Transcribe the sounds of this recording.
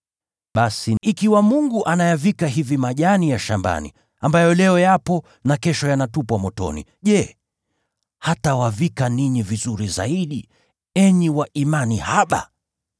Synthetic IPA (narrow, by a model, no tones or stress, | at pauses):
ɓasiikiwamuŋɡuʔanajavikaɦivimaʄanijaʃamba̰nḭ | ambajɔlɛɔjapɔ | nakɛʃɔjanatupwamɔtɔ̰nḭʄɛ | hatawavikaniɲivizuɾiza̰iɗi | ɛɲiwaʔimanihaɓa̰